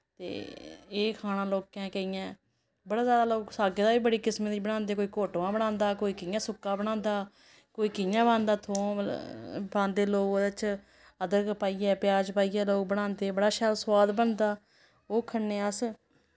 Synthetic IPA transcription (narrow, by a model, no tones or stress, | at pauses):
t̪ḛːeːkʰaːnãːloːkːɛ̃ːkəijãː | bəɽaːzjaːd̪aːloːksaːɡeːd̪aːiːbəɽiːkɪsmẽːd̪iːbəɽ̃ãːnd̪eːkoːiːkoːʈʋãːbəɽ̃ãːnd̪aːkoːiːkɪjãːsʊkːãːbəɽ̃ãːnd̪aː | koːiːkɪjãːbãːnd̪aːt̪ʰõː | bãːnd̪eːloːkoːd̪t͡ʃ | əd̪əɾkəpaːiːɛːpɪjaːd͡ʒpaːiːɛːloːk̚bəɽãːnd̪eːbəɽaːʃaːɾswaːd̪bənd̪aː | oːkʰənːeːəs